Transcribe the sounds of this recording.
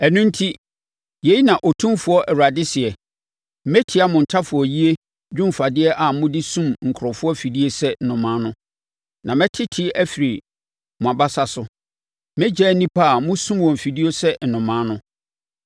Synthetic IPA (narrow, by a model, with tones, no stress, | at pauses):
ɛ˨nʊ̃˦n˦tʰi˦ | je˨˦i˦nã˨ʔo˨tʰũ˦mfʊ˦ɔ˦ʔɛ˨ɾa˨dɪ˦sɪ˨ɛ˨ | m̩˦mɛ˦tʰɪ˨˦a˦mʊ̃˨n̩˨tʰa˦fʊ˨ɔ˨ji˦e˦ | d͡ʑᶣʊ̃˦mfa˨dɪ˦ɛ˦ʔa˨mʊ̃˦dɪ˦sũ˦mŋ̩˨kʰʊ˨ɾɔ˨fʊ˦ɔ˦fi˨di˦e˦sɛ˦n̩˨nʊ̃˨mã˦nʊ̃˦ | nʔã˨mɛ̃˦tʰɪ˦tʰɪ˦æ˦fi˨ɾi˨ | mʊ̃˨a˨ba˦sa˨sʊ˨ | mɛ̃˦d͡ʑɛ˦nĩ˦pʰa˦˨mʊ̃˦sũ˦mwɔ̃˨m˨fi˨di˦o˦sɛ˦n̩˨nʊ̃˨mã˦nʊ̃˦